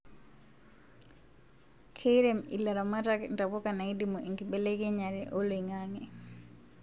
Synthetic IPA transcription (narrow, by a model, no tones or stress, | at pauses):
kʰeɾɛmḭlaɾamatakntapɔkanaidimoʔiŋɡibelekɛɲaɾɛʔoloiŋaŋɛ